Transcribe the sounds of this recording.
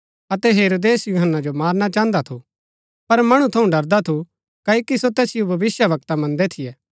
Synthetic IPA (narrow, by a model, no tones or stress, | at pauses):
ɐt̪ɛɦeːɾoːd̪eːsjuɦənːad͡ʒomaːɾnat͡ʃãːnd̪at̪ʰu | pɐɾmɐɽ̃ũt̪ʰɐũɖɐɾd̪at̪ʰu | kɐːokisot̪ɛːsɪjubʱɐʋɪsjəʋɐk̚t̪amɐ̃nd̪ɛt̪ʰɪjɛː